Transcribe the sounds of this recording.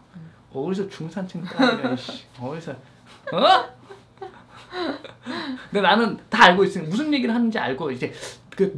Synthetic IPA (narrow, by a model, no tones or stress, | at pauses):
ʌɯɾisʰʌt͡ɕuŋsʰant͡ɕʰeŋt͈aaɕ͈i̥ʌɾisʰʌ | ndenanɯntaːɭɡois͈ɯmiamusʰɯnje̞ɡiɾɯɭɦanɯnd͡ʑia̰ɭɡoid͡ʑe̞kɯ